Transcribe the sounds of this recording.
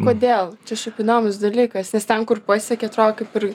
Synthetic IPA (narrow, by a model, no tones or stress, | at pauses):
koːd̪ʲeːlˠt͡ʃʲɛʃʲɛɪpɪnoːmʲɪsd̪ɐlʲiːkɐsnʲɛst̪ʲɛnkʊrpɐːsʲɛkʲɛɐt̪roːɡkɐɪpʲɪr